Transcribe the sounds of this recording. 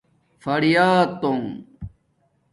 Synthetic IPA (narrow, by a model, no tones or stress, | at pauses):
fɐɽijaːt̪oŋ